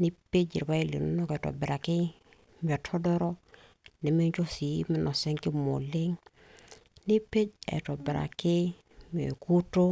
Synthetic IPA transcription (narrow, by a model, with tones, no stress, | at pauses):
ni˦pe˦d͡ʒḭ˨ɾpa˦i˦˨lḭ˨nu˦nɔ˦kɛ˨tɔ̰˨bɪ˨ɾa˨kɪ˦ | m˨ɛ˨tʰɔ˦dɔ˦ɾɔ˦ | nɛ˨mi˦t͡ʃo˦si˨˦mɪ˦nɔ˨sɛ˦ŋkɪ˦mo̰˨le˦ŋ | ni˦pe˦d͡ʒɛ̰˨to˨bɪ˨ɾa̰˨kɪ˦ | m˨ḛ˨ku˦to˦